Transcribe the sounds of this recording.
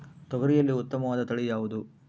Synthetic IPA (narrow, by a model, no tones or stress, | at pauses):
t̪ɔɡɐɾijɐlːiut̪ːɐmɐʋaːd̪ɐt̪ɐɭijaːʋud̪u